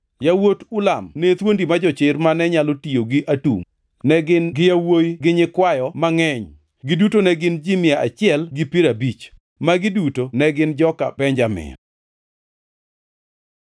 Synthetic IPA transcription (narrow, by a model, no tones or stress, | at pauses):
jawotulamnet̪wondimad͡ʒɔt͡ʃɪrmanɛɲalotijoɡiʔatṵŋ | nɛɡɪnɡɪjawojɡɪɲɪkwajɔmaŋɛɲ | ɡɪdutonɛɡɪnd͡ʒimɪjaʔat͡ʃɪɛlɡɪpiɾabit͡ʃ | maɡɪdutonɛɡɪnd͡ʒɔka̰pɛɲd͡ʒamɪ̰n